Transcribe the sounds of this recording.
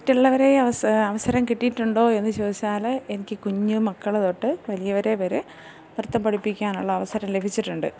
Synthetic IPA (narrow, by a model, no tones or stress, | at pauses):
ɐtːiɭːɐʋɐɾeɐʋɐɐʋɐsɐɾɐmkiʈːijiʈːuɳɖo̞ːe̞nːɨt͡ɕoːiɕaːlenikʲːɨkuɲːumɐkːɐɭɐðo̞ʈːɨʋɐlijɐʋɐɾe̞ʋɐɾe | nirt̪ːɐmpɐɽipːikʲːaːnuɭːɐːʋɐsɐɾɐmle̞bʱit͡ɕːiʈːuɳɖɨ